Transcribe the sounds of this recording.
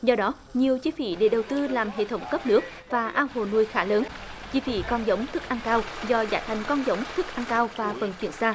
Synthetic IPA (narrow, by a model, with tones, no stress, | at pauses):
zɔ˧ɗɔ˨˦ | ɲi˨˩əwt͡ɕi˧fḭ˧˩ɗe˧˩ɗə˨˩wt̪ɨ˧laː˨˩mɦḛ˧˨t̪ʰə˨˦wŋ͡mkə˦˥p̚nɨ˦˥ək̚ | vaː˨˩ʔaː˧nho˨˩nu˧əjxaː˧˩˥ləː˨˦n | t͡ɕḭ˧˥fḭ˧˦kɔ˧nzə˨˦wŋ͡mt̪ʰɨ˦˥k̚ʔa˧nkaː˧wzɔ˧za̰ː˧˩jt̪ʰa˨˩jŋ̟kɔ˧nzə˨˦wŋ͡mt̪ʰɨ˦˥k̚ʔa˧ŋkaː˧wvaː˨˩fə̰˨˩nt͡ɕwi˧˩ənsaː˧